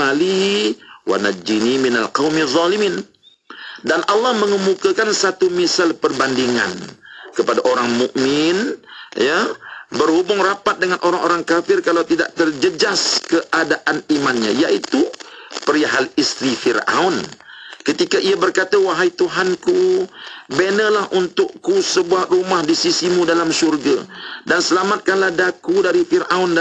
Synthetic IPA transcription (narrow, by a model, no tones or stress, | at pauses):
ali | wa̰nad͡ʒiniminalqɑwmizˤːɑlimin | danʔalːahməŋəmukakansat̪umisalpərbandiŋa̰nkəpadaʔoɾaŋmuʔmɪnjabərhubʊŋrapat̪̚dəŋanʔoɾaŋʔoɾaŋkafɪrkalawt̪ida̰ʔt̪ərd͡ʒəd͡ʒaskəʔadaʔanimanɲa̰jaʔit̪upəɾiaɦalist̪ɾifira̰ʊnkət̪ikaʔiabərkat̪awaɦait̪uɦanku | benəlahunt̪ʊʔkusəbuahrumahdisisimudalamsurɡa̰dansəlamat̪̚kanlahdakudaɾifiraʊn